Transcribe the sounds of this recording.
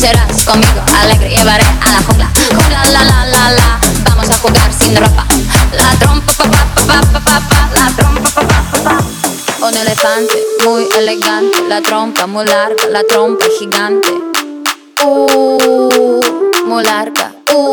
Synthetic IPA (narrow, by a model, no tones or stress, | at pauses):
seɾaskomiɡoalɛɡɾeevaɾealakuŋɡlakuɡalalalalabamosaxuɡaɾsĩnd̪ɾopalat̪ɾompapapapapapapapalat̪ɾompapapapːapa | unelefãnt̪emujeleɡãnt̪elat̪ɾompamujlaɾɡalat̪ɾompahiɡãnt̪e | u | mujlaɾɡa̰